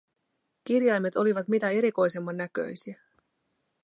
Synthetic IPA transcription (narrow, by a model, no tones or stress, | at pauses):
k̟irjɑjme̞t̪o̞liʋɑt̪mit̪æe̞ɾiko̞jse̞mːɑnːækø̞̰jsiæ